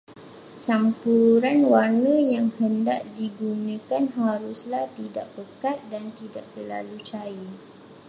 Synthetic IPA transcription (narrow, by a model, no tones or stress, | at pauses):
t͡ʃampuɾanwarnə̃jaŋhənda̰ʔ̚diɡunə̃kanɦaɾuslaht̪idaʔbəkat̪̚dant̪idaʔ̚t̪ərla̰lut͡ʃai